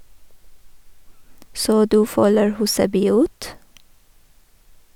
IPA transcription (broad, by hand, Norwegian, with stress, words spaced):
ˈsoː ˈdʉː ˈfœləɹ ˈhʉːsəbyː ˈʉːt